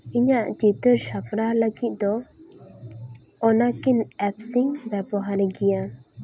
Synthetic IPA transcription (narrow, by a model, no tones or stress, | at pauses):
iɲaʔt͡ʃit̪əɾsapɾaləɡit̪̚ˀd̪ɔ | ɔnakinɛpsiŋbɛbɔɦaɾɛɡɛja